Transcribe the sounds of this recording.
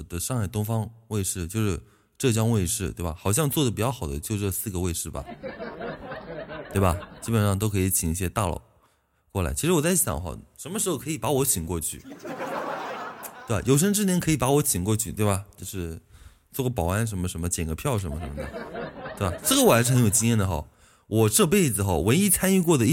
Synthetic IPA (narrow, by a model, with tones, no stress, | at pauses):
d̪ə˧ʂŋxa˥˩ɪt̪ʊ˥ŋfɑ˥ŋwe˥˧ɪʂɻ̩˥˩t͡ɕjo˥˧ʊʂɻ̩˥˧˩ | ʈ͡ʂɤ˥˩t͡ɕjɑ˥ŋwe˥˧ɪʂɻ̩˥˩t̪we˥˩bɐ˩xɑ˨˩ʊɕ̬jɑ˥˧ŋt͡swɔ˥˩d̪ə˩p̬i˨˩t͡ɕjɑ˥˩ʊxɑ˨˩ʊd̪ə˦t͡ɕjo˥˧ʊʈ͡ʂə˥˧sɹ̩˥˩ɡə˩˧we˥˧ɪʂɻ̩˥˩bɐ̰˩ | t̪we˥˩ɪbɐ˩t͡ɕi˥pə˨˩nʂɑ˥˩ŋt̪o˥ʊkʰɤ˧˥i˧˥t͡ɕʰi˨˩ŋi˥˩ɕ̬jɛ˥t̪a˥˩lo̰˨˩˦ʊ | kwɔ˥˩la̰˧˥ɪt͡ɕʰi˧˥ʂɻ̩˧˥wɔ˨˩t͡sa˥˩ɪɕjɑ̰˨˩˦ŋxɑ̰˨˩ʊʂə˧˥nmə˧ʂɻ̩˧˥xo˧kʰɤ˧˥i˨˩pa˧˥wɔ˧˥ɕi˨˩ŋkwɔ˥˧t͡ɕʰy̰˥˩ | t̪e˥˩a̰˨˩jʔo˨˩ʊʂ̬ə˥ŋʈ͡ʂɻ̩˥˩njɛ˧˥nkʰɤ˧˥i˨˩pa˧˥wɔ˧˥ɕʰi˨˩ŋkwɔ˥˧t͡ɕʰy˥˧t̪we˥˩bɐ˩t͡ɕjo˥˧ʊʂɻ̩˥˧ | t͡swɔ˥˩ɡə˩pɑ˨˩a˥nʂ̬ə˧˥nmə˧ʂə˧˥nmə˧t͡ɕjɛ˨˩nɡə˧˥pʰjɑ˥˩ʊʂ̬ə˧˥nmə˧ʂə˧˥nmə˧˩d̪ə̰˩t̪we˥˩ba˨˩sɹ̩˥˩ɡə˩wɔ˨˩a˧˥ʂɻ̩˥˩˧njo˨˩t͡ɕi˥jɛ˥˩nd̪ə˩xɑ̰˨˩ʊ | wʔɔ˨˩ʂɤ˥˧p̬e˥˩ɪd͡zɹ̩˩xɑ˧˥˩wə˧˥ni˥t͡sʰa˥ny˥˧kwɔ˥˩d̪ə˩˥